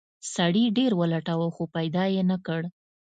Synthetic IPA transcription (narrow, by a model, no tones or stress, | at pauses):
saɽiɖeɾwəlaʈawəxopajd̪ɑjenakəɽ